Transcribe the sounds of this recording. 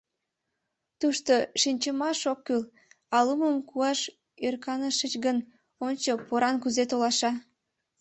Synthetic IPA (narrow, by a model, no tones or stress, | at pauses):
t̪uʃt̪oʃinʲt͡ɕəmɑʃokːyl | ɑluməmkuɑʃ | ørkɑnəʃət͡ɕɡən | onʲt͡ɕopoɾɑnkuzet̪olɑʃɑ